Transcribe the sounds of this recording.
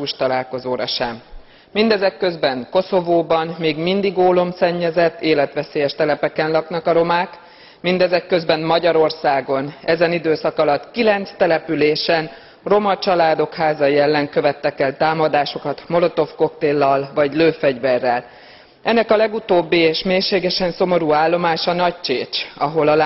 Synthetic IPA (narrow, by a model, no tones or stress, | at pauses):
uːʃt̪ɒlaːlko̞zoːɾɒ̰ʃɛmː | ind̪ɛzɛkːø̞zbɛŋko̞so̞voːbɒnmeːɡmind̪iɡoːlo̞msɛɲːɛzɛt̪ːeːlɛt̪ʋɛseːjɛʃt̪ɛlɛpɛkɛnlɒknɒkɒɾo̞maːk | mind̪ɛzɛkːø̞zbɛnmɒɟɒɾo̞rsaːɡo̞nɛzɛnid̪øːsɒkɒlɒt̪ːkilɛnt̪st̪ɛlɛpyleːʃɛn | ro̞mɒt͡ʃɒlaːd̪o̞khaːzɒjiɛlːɛŋkø̞vɛt̪ːɛkɛlt̪aːmɒd̪aːʃo̞kɒt̪mo̞lo̞t̪o̞fko̞kt̪eːlːɒlvɒɟløːfɛɟʋɛrːɛl | ʔɛnːɛkɒlɛɡut̪oːbːieːʃmeːrʃeːɡɛʃɛnso̞mo̞ɾuːaːlːo̞maːʃɒnɒct͡ʃeːt͡ʃɒɦo̞lɒl